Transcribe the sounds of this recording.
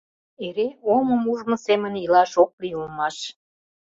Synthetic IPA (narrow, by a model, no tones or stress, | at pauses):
eɾeoməmuʒmosemə̆nilɑʃok̚liulmɑʃ